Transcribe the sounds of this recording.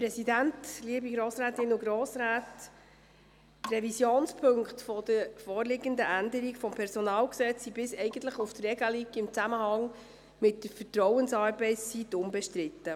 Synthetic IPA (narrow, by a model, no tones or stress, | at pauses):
pɾɛsidæntliəbiɡɾoːsɾæːt̪ɪnʊɡɾoːsɾæːt | rɛvisjoːnspʰɵŋkχtfɔd̥əɾfɔːɾlɪɡənd̪əʔænd̪əɾikfɔmpʰɛɾsɔnɑːlksɛt͡sːibɪsɛɪɡən̩t̪ləχuft̪rɛɡəliɡɪmt͡sæməhɑŋ | mɪtːd̥əfətrɔwənsɑːɾbɛɪssitʊmbɛʃtɾɪt̪ːə